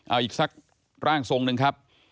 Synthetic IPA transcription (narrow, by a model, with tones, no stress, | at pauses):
ʔaː˧˩ʔiː˨˩k̚sa˦˥k̚ | ɾaː˥˩ŋso˧ŋnɯ˧ŋkʰa˦˥p̚